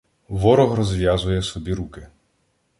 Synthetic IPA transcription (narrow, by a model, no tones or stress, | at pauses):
ʋɔɾɔɦɾɔzʋʲjazʊjɛsɔbʲiɾukɪ